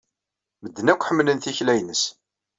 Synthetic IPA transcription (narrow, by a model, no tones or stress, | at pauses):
məd̪ːnækʷːħəmːlənθiçlæjnəs